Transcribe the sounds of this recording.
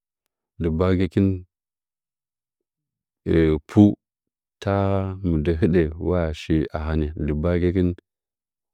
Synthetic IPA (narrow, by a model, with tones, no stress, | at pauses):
di˨ba˦ɡe˦ki˦n˨ | pʰu˦ | ta˦mu˨de˨ɦi˦ɗe˨wa˦a˨ʃi˦a̰˨ɦa˦ni˨di˨ba˦ɡe˦ki˦n